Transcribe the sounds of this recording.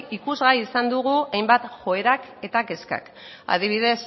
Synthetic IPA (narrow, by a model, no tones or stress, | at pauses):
ikuzɣaiːsand̪uɣuajmbat̪ʝo̞e̞ɾake̞t̪ake̞ska̰k | a̰ðiβ̞iðe̞s